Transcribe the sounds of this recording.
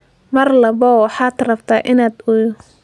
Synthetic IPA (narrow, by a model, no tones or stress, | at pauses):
mɐrlɐbɔwɑħɑːt̪rɐbt̪ʰaːʔɪnaːd̪ʊjʊ